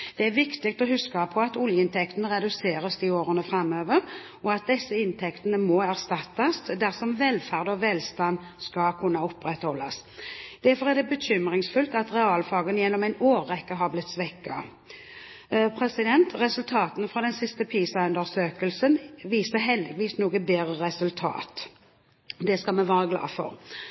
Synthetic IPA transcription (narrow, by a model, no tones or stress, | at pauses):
d̪̥ɛæɾʋɪkt̪ɪk̚t̪ɔɦʉskɑpʰɔɑt̪ʊljəɪnt̪ʰɛkt̪ənəʁɛd̪ʉseːɾəsd̪ioːɾənəfʁɑmːøːʋəʁ | ɔɑt̪̚d̪ɛsːəɪnt̪ʰɛkt̪ənəmɔæʁst̪ɑt̪ːɑsd̪æʁsɔmʋɛːlfæʁd̪ɔʋɛːlst̪ɑn | skɑkʰʉnːɑɔpɾɛt̪hɔlɑsd̪̥æɾfɔʁæɾd̪ɛbəçʏmʁɪŋsfʉlt̪ɑt̪ʁɛɑːlfɑːɡənjɛnːɔmæɪnoːʁːɛkːəɦɑʁblɪt̪ːsʋɛkːɑ̰ | pʰʁɛsɪd̪ɛnt̪ʁɛsʉlt̪ʰɑːt̪ənfʁɑd̪ɛnsɪst̪əpʰiːsɑʉnd̪əʁsøːkəlsənʋiːsəɦɛld̪ɪɡʋiːsnuːɡəbeːʁəʁɛsʉlt̪ʰɑ̰ːt̪ | d̪ɛskɑlmɛʋɑːʁəɡlɑ̰ːfɔ̰ʁ